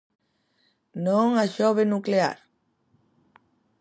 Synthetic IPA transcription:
nõŋaʃoβenuklea̰ɾ

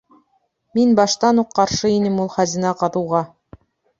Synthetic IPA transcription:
minbɑʃt̪ɑnuqːɑɾʃɤinɘmulˠχæzinɑqɑðɤwʁɑ

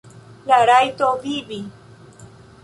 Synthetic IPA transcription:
laɾajt̪ovibi

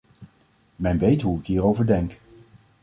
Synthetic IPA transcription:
mɛnʋejtɦuɪkɦiːɾowvəɹdɛŋk

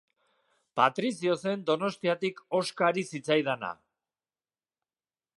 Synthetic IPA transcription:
pat̪ɾisio̞se̞nd̪o̞no̞st̪iat̪iko̞skaɾisit͡sajðana̰

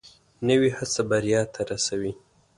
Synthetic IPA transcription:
nəwihasabaɾjɑt̪ʰaɾasawi

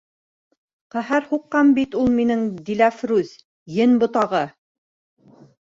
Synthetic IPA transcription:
qæɦæɾhuqːɑmbit̪ulˠminɘŋd̪ilæfɾʉz | jɘnbŏt̪ɑʁɤ

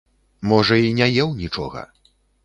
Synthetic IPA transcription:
mɔʐɐinʲajɛwnʲit͡ʂɔɣɐ̰

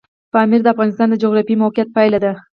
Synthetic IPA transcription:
pɑmiɾd̪əafɣɑnɪst̪ɑnd̪əd͡ʒoɣɾɑfimawqjat̪̚pajlad̪a

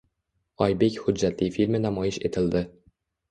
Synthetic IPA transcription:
ɒjbekʲhʊd͡ʒːat̪lijfilʲmɪnamɒjɪʃet̪ʰɪld̪ɪ

